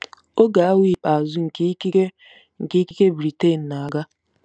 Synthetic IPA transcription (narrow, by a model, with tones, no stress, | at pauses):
o˦ɡa˨a˦wi˦˨pa˨a˨zʊ˦ŋ̩˨kk | ŋ̩˨ke˦ki˦ke˦bɾi˨te˦˨n̩˨na˨a˨ɡa˦